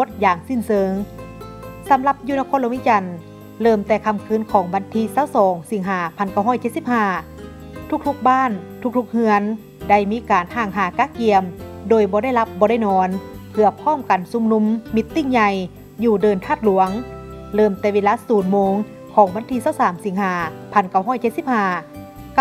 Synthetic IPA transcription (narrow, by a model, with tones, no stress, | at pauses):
o˧˥t̪̚jaː˨˩ŋsi˧˥˩nsɤː˨˦ŋ | sa˨˦mla˧p̚juː˧na˧kʰɔː˧˥nlo˧˦wi˧˥˨t͡ɕa˨˩n | lɤː˧˩mt̪ɛː˧˩kʰa˧˨mkʰɯː˧˥˨nkʰɔː˨˩˦ŋʋa˧˨nt̪ʰiː˧˥saː˧˥˩wsɔː˨˦ŋsi˨˩˦ŋɦaː˨˩˦pʰa˧˨nka˧˩wɦɔː˥˩jt͡ɕe˧t̪̚si˧˩p̚haː˧˩ | t̪ʰu˧˥k̚t̪ʰu˧˥k̚baː˥˩˨nt̪ʰu˧k̚t̪ʰu˧˥k̚hɯ˧ən | da˧˩jmiː˧˥kaː˨nhaː˧˩ŋɦaː˨˩˦kaː˧˥˩ki˧əmdoː˨˩jbɔː˧˦ɾa˥˩jla˧p̚bɔː˧ɾa˥˩˨jnɔː˧˥npʰɯ˧ɐpʰɔː˥˨mka˨nsu˧˦mnu˧˥mːi˧t̪ːi˧˥˩ŋɲa˧j | juː˧˩dɤː˨˩nt̪ʰaː˥˩t̪̚lu˨˩˦əŋ | lɤː˧˩mt̪ɛː˧˩ʋeː˧laː˧˥suː˨˦nmoː˧ŋ | kʰɔː˨˦ŋʋa˧˥nt̪ʰiː˧saː˧˥˩wsaː˨˦msi˨˩˦ŋɦhaː˨˩˦pʰa˧˩nka˧˩wɦɔː˥˨jt͡ɕe˧t̪̚si˧˥p̚haː˧˩